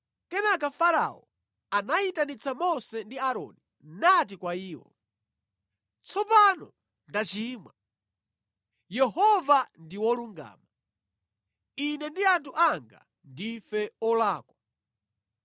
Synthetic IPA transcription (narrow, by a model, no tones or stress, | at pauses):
kɛnak̬afaɾa̰ɔ̰ | anaitanit͡samɔsɛndiaɾɔ̰ni | nat̬ikwaiːwɔ̰ | t͡sʰɔpanɔ | ndat͡ʃiːmwa | jɛɦɔvandiwɔluŋɡa̰ːma | inɛndiantʰuʔaŋɡa̰ | ndifɛɔlaːkwa